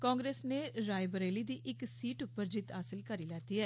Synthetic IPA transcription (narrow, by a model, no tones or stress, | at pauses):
kɔːŋɡɾeːsneːɾaːjbəɾeːliːd̪iːʔɪksiːʈʊpːəɾd͡ʒɪt̪ɦaːsɪlkəɾiːlɛːt̪iːɦɛː